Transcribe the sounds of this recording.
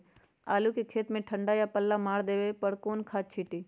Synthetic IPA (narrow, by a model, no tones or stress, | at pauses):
aːlukikʰeːt̪mẽʈʰə̃ɳɖajapəlːamaːɽd̪eːʋepəɽkoːnkʰaːt͡ʃʰiːʈiː